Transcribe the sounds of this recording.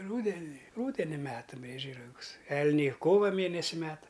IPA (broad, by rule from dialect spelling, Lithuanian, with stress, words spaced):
ˈruːdʲɛnʲɪ ˈruːdʲɛnʲɪ ˈmʲæːtɐ ˈbʲrʲiɛd͡ʒʲɛɪ rɐˈɡʊs ˈɛlʲnʲɛɪ ˈkoːʋɐ ˈmʲeːnʲɛsʲɪ ˈmʲæːtɐ